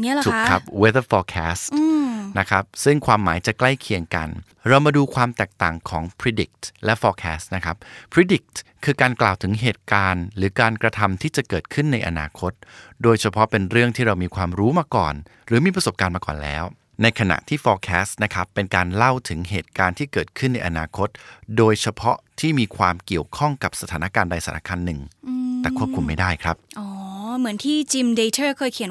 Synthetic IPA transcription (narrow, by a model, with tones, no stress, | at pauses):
t͡ɕu˨kʰa˦˥p̚we˦˥t̪ə˥fɔː˧kʰɛː˦˥st̪ːna˦˥kʰa˦˥p̚sɯ˥˩ŋkʰwaː˧mːaː˩˦jt͡ɕa˨˩kla˥˩jkʰi˧əŋka̰˧n | ɾa˧wmaː˧duː˧kʰwaː˧mt̪ɛː˨˩k̚t̪aː˨˩ŋkʰɔː˩˦ŋpʰɾi˦˥di˨˩k̚t̪lɛ˦˥fɔː˧kʰɛː˦˥st̪̚na˦˥kʰa˦˥p̚pʰɾi˦˥di˨˩k̚t̪kʰːɯː˧kaː˧nklaː˨˩wt̪ʰɯ˩˦ŋɦeː˨˩t̪̚kaː˧nɾɯː˩˦kaː˧nkɾa˧t̪ʰa˧mt̪ʰiː˥˩t͡ɕa˨˩kɤː˨˩t̪̚kʰɯ˥˩nːa˧jʔa̰˧na̰ː˧kʰo˦˥t̪̚doː˧jt͡ɕʰa˧pʰɔ˦˥pe˧nɾɯ˥˩əŋt̪ʰiː˥˩ɾa˧wmiː˧kʰwaː˧mɾuː˦˥maː˧kɔ̰ː˨˩n | ɾɯː˩˦miː˧p̬ɾa˧so˨˩p̚kaː˧nmaː˧kɔ̰ː˨˩nlɛ̰ː˦˥w | na˧jkʰa˧na̰˨˩ʔt̪ʰiː˥˩fɔː˧kʰɛː˦˥st̪̚na˦˥kʰa˦˥pːe˧nkaː˧nla˥˩wt̪ʰɯ˩˦ŋɦeː˨˩t̪̚kaː˧nt̪ʰiː˥˩kɤː˨˩t̪̚kʰɯ˥˩nːa˧jʔa̰˧naː˧kʰo˦˥t̪̚doː˧jt͡ɕʰa˧pʰɔ˦˥t̪ʰiː˥˩miː˧kʰwaː˧mki˨˩əwkʰɔ˥˩ŋka˨˩p̚sa˧t̪ʰaː˩˦na˦˥kaː˧nda˧jsa˨˩˦nʔa˥kʰaː˧nːɯ˨˩ŋt̪ɛː˨˩kʰu˥˩p̚kʰu˧mːa˥˩jdaː˥˩jkʰɾa˦˥p̚ʔɔː˨˦mɯ˩˦ənt̪ʰiː˥˩t͡ɕi˧mde˧t͡ɕʰɤː˥˩kʰɤː˧jkʰi˩˦